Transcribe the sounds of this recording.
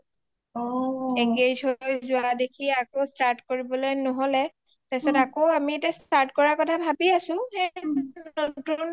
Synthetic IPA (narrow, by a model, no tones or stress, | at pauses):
iŋɡed͡ʒʱɦojzʊwadekʰiakostaɹtkoɹibɔlojnɔɦolɛ | tasɔtakoamietastaɹtkɔɹakɔtʰabʱabiasʊ̃hɛ | otun